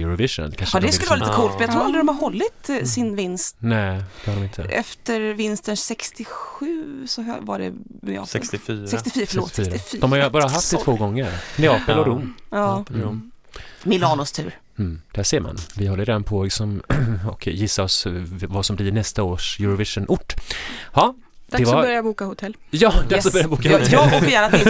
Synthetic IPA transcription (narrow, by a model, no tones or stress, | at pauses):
jʉɾʊvɪʂɔ̰nnkʰanʂɑd̪ɛsɵlːɾliit̪kʰuːlt̪mɛnjaɡt̪ɾuːɾalɾɪd̪ɔmhaɾhɔlːɪt̪sɪnvɪnst̪nɛːd̪̥ɛhaɾɔmɪnt̪ʰəʔɛ̰ft̪əɾvɪnst̪ənsɛkst̪ɪxʉ̟ːsɔ̰va̰ɖɛ̰ | ɛ̰ɑ̰ːsɛssɛkst̪ɪfyːɾfəɭoːt̪ːɾɪfɔmhaɾjəbɑːɾɾaɦaft̪ɪt̪ʰvoːɡɔŋːəɾmɛɑːpəlɔɾʊmːɑː | mɪlɑːnʊst̪ʰʉ̟ːɾ | m̩d̪̥ɛhæːʂeːɾma̰nvɪhɔlːəɾd̪ɛnpʰoːɪsɔmɔkjɪsːaɾɔsvasɔmbliɳɛst̪aoːʂjʉɾɔvɪʂənʔʊʈːhɑ | d̪ḁɛvaœɾjajabuːkahʊt̪ʰɛlː | jɑːd̪aksɔbœɾjabuːkat̪ʰɛfjæːnat̪ɪ